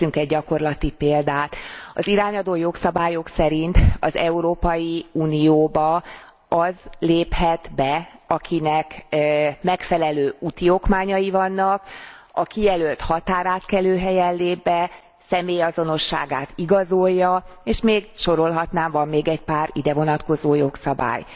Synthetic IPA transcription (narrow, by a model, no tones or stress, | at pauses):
yŋkɛɟɟɒko̞rlɒt̪ipeːld̪aːt̪ɒ̰ziɾaːɲɒd̪oːjo̞ksɒbaːjo̞ksɛɾint̪ɒ̰zɛuɾoːpɒjiuːnijoːbɒ | ɒzleːphɛt̪bɛɒkʰinɛk | mɛkfɛlɛløːut̪iokmaːɲɒjivɒnːɒkɒkijɛlølt̪hɒt̪aːɾaːt̪kɛløːɦɛjɛllːeːbbɛ | sɛmeːjɒzo̞no̞ʃːa̰ːɡaːt̪iɡɒzo̞jːɒeːʃmeːɡʃo̞ɾo̞lɦɒt̪naːmvɒmːeːɡɛcpaːɾid̪ɛvo̞nɒt̪ko̞zoːjo̞ksɒba̰ːj